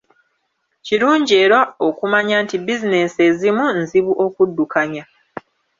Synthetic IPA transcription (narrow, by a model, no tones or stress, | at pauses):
ciɾuːɲɟie̞ːɾaokumaɲaːntibizine̞sezimunziβuʔo̞kudːukaɲa